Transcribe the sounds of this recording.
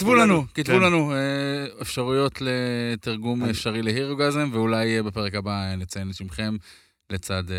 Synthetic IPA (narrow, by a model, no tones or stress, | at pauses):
kt̪vulanukit̪ulanueefʃaʁujo̞tle̞t̪iʁɡumefʃaʁilehiʁoɡazemveulajbepe̞ʁekabaenet͡saje̞nt̪ʃimχe̞m | le̞t͡sad̪